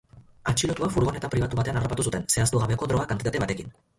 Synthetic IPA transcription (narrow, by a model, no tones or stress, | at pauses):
at͡ʃilot̪uafuɾɣo̞ne̞t̪apɾiβ̞at̪uβat̪e̞anaropat̪usut̪e̞nse̞ast̪uɣ̞aβe̞ko̞dɾo̞ɣ̞akant̪it̪at̪e̞βat̪e̞kin